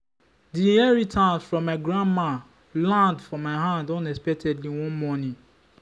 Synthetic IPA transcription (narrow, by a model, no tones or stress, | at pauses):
diɛɹitʰãnsfɹɔ̃mːaɪɡɹãnma | lãndfɔ̃maɪɦãndɔ̃nɛspɛk̚tʰɛdliwɔ̃nmɔni